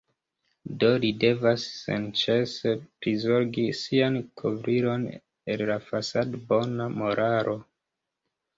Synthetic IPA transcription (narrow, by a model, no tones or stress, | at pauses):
do̞lide̞vasːḛnt͡ʃe̞se̞pɾizo̞ɾɡisiankʰovɾiɾo̞n | ellafasadbo̞namo̞ɾʔaɾʔo̞